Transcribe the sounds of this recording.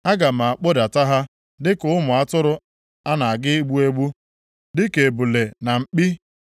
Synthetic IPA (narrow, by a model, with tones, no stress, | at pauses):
a˦ɡa˨m̩a˨a˨k͡po˦da˨ta˦ɦa˦ | dɪ˦kʊ˨ʊ˦mʊ˨a˦tʊ˦ɾʊ˦ | a˦na˨a˨ɡɪ˦ɡ͡bu˦e˦ɡ͡bu˦ | dɪ˦ke˨bʊ˨le˨na˨ŋ͡m̩˨k͡pi˦